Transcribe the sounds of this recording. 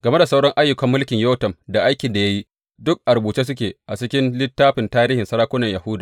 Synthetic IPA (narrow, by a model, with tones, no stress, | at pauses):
ɡɐ˨me˦da˨sa˦wɽɔ˦ŋʔa˦jːʊ˨kɐ˨˦mːʊ˦lkʲɪ˨ɲjo˦tɐ˨mda˨ʔa˦jkʲɪ˨nda˨ja˦ji˦ | dʊ˦k̚ʔa˨ɾbuː˨t͡ʃiː˦s̬ʊ˦kʲeː˨ʔa˨t͡ʃɪ˦kʲɪ˦nlɪ˦tːaː˦ɸɪ˨ntaː˦ɾiː˦hɪ˨nsɐ˦ɽaː˦kʷʊ˦nɐ˨ɲjɐ˨hʊ˦daː˨